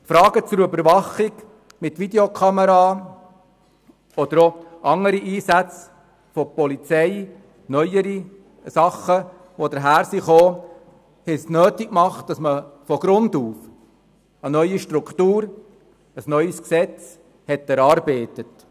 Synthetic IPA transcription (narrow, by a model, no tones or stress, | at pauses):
fɾɑːɡ̥ət͡sʊɾʏbəɾʋɑχɪɡ | mɪtʋideokʰɑməɾɑː | ɔd̪əɾoʔɑŋəɾiʔiːsæt͡s | fɔpɔlit͡sɛɪ | nœʏəɾi | sɑχə | ʋod̪əɾɦæːɾsiχoː | hɛsnøːtikmɑχt̚d̥ɑsməfɔɡ̥ɾʊnd̪uːf | ənœʏiʃtɾukχtuːɾ | əsnœʏəsksɛt͡s | hɛtɛɾɑːɾbeɪtət